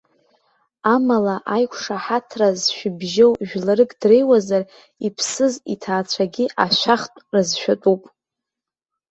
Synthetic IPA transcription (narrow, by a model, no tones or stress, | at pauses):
amalaʔajkʷʰʂaħatʰrazʃᶣɪbʒowʒᶣlaɾɨkʼdrejwazar | ipʰsɨzitʰaːt͡sʷʰaɡʲiʔaʃʷaχtʼrɨzʃᶣatʼupʼ